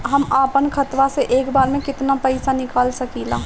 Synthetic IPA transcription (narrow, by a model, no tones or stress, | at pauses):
ɦɐmaːpənkʰɐt̪ʋaseʔeːkbaːɾmẽkɪt̪napɛɪsanɪkaːlsɐkiːlaː